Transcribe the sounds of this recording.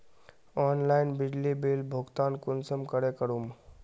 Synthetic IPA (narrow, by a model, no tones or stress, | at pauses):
ɔːnlaːɪnbɪɖlibilbʱʊɡt̪aːnkʊnsəmkəɽekəɾum